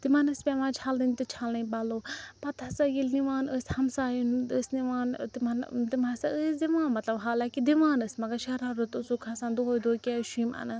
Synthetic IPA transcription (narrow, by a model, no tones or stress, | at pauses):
t̪imɐnɨspʲɛʋãːt͡ʃʰald̪inʲt̪ɨt͡ʃʰaːlnɐ̃baloːpɐt̪ʰɐsaɡilniʋaːnəsʲhɐmsaːjinəsʲniʋaːnt̪imɐnt̪imasaəsd̪iʋãːnmɐt̪lɐbɦaːlakid̪iʋaːnɨsʲmɐɡaʃɐɾaɾut̪usukʰasãːnd̪oɦojd̪oːkʲeʃumɐ̰nɐ